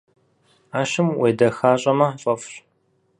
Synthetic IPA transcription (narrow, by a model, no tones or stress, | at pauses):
aːʃɪmweːdɐxaːɕʼɐmɐħɕʼɐfɕ